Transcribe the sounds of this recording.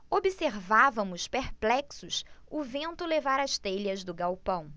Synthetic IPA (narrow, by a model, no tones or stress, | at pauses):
obiseɾvavɐ̃mʊspeɾplɛksʊsʊvẽnt̪ʊlevaɾɐʃt̪eʎɐzd̪ʊɡawpɐ̃w̃